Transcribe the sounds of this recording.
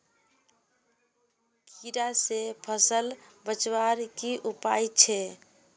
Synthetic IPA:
kiɾasepʰəsəlbət͡ʃwaɾkiʔupajt͡ʃʰɛ

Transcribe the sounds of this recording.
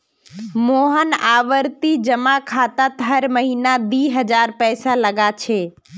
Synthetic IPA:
moːɦənaːʋəɾt̪id͡ʑɐmakʰaːt̪at̪ɦɐɾmɐɦiːnad̪iːɦɐd͡ʒaːɾpɛːsalɐɡat͡ʃʰeː

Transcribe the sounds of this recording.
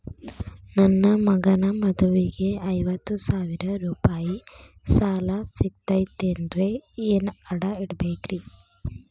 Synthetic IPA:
nɐnːɐmɐɡɐnɐmɐd̪uʋiɡe̞ɐjʋɐt̪ːusaːʋiɾɐɾuːpaːji | saːlɐsiɡ̚t̪ɐjt̪end̪ɾe̞eːnɐɽɐiɽɐbeːkɾi

